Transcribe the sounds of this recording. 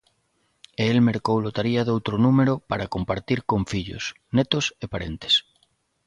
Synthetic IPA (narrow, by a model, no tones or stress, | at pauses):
eelmeɾkowlot̪aɾiaðowt̪ɾonumeɾopaɾakompaɾt̪iɾkoɱfiʎo̰s | net̪osepaɾent̪e̥s